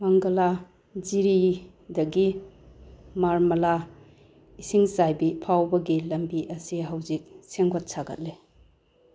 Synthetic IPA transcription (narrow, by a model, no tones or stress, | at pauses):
maŋɡɐla | ziɾi | dɐɡi | maɾmɐla | isiŋzajbipʰawbɐɡilɐmbiʔɐsiɦawzik̚seŋɡot̚saɡɐ̰t̚le